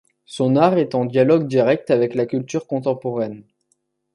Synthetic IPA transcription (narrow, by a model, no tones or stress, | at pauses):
sɔ̃naʁɛt̪ɑ̃d̪jalɔɡd̪iʁɛk̚t̪avɛklakʲylt̪yʁkɔ̃t̪ɑ̃pɔʁɛn